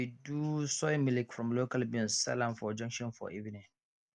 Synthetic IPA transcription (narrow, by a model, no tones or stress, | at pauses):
idusɔmilikfɹɔ̃mlokalbĩlssɛ̰lãnfɔd͡ʒʌ̃ŋkʃɔ̃nfɔ̰ʔivinĩn